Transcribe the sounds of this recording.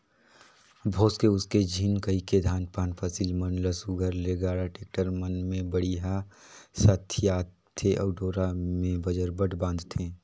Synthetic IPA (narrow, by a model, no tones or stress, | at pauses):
bʱoːskeʊsked͡ʒʱiːnkəiked̪ʱaːnpaːnpʰəsiːlmənləsuɡʱəɾleɡaːɽaʈeːk̚ʈəɾmənmẽbəɽiɦa | sat̪ʰijaː | t̪ʰːeʔɔːɖoːɾamẽbəd͡ʒəɾbəʈbãːnd̪t̪ʰẽː